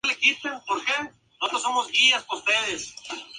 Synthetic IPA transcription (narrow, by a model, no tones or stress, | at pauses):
lekit̪epoɾke | ot̪osomozɣiaspost̪eðes